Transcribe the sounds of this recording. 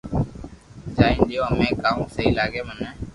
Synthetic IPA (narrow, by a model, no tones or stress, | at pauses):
d͡ʒaːĩːnɗ̪ɪjoːəmẽːkaːũːsəɦiːlaːɡeːmənɛː